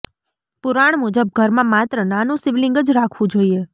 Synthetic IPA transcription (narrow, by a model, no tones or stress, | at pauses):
puɾaɳ̃mud͡ʒəb̚ɡʱəɾmãmat̪ɾənanũsiʋlɪ̃ŋɡəd͡ʒɾakʰʋũd͡ʒoie